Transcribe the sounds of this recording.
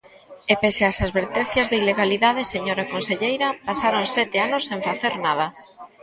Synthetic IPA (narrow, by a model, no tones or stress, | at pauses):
epeseasaðβeɾt̪en̟θjazðeileɣaliðaðeseɲoɾakonseʎejɾapasaɾonsɛt̪eanosːẽŋfaθeɾnað̞a